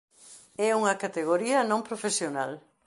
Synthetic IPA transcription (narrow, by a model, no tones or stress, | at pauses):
ɛuŋɐkat̪eɣ̞oɾiɐnõmpɾofesjonal